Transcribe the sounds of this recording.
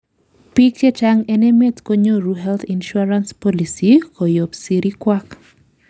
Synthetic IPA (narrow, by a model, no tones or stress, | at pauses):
pik̚t͡ʃet͡ʃaŋɛnɛmɛtkoɲoɾuɦɛlt̪inʃuaɾanspɔlisikojopsiɾikwak